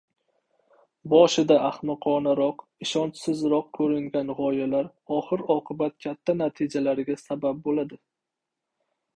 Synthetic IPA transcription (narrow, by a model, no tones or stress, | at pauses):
bɒʃɪd̪aʔaχmɨqʰɒnaɾɒq | ɪʃɒnt͡ʃsɪzɾɒq̚kʰɵɾɪŋɡʲanʁɒjalaɾ | ɒχɨɾɒqʰɨbat̪̚kʲʰat̪ʰːanat̪ʰɪd͡ʒalaɾɡʲasabab̚bolad̪ɪ